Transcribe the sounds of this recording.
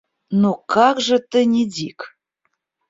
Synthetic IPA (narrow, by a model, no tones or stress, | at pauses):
nukɑkʒə̆t̪ənʲedʲik